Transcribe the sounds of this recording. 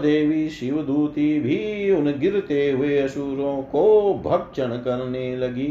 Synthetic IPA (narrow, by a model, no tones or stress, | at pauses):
d̪eːʋiʃiʋɐd̪uːt̪iːbʱiunɐɡiɾt̪eːɦueɐʃuːɾõːkoːbʱɐk̚t͡ʃɐnɐkɐɾɐneːlɐɡi